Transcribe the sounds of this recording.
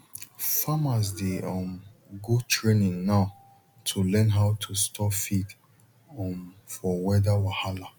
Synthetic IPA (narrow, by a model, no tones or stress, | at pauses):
famas̬deɔmɡutʰɹenĩŋnaʊ | tʰulɛ̃nɦawtʰustʰɔpfid | ɔmfɔwɛdawahala